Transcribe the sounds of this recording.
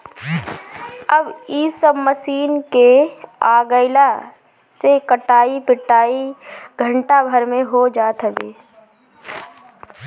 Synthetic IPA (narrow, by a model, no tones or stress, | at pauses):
əbisəbməsiːnkeaːɡəɪla | sekəʈaːipɪʈaːiɡʱə̃ɳʈabʱəɾmẽɦod͡ʒaːt̪ɦəbeː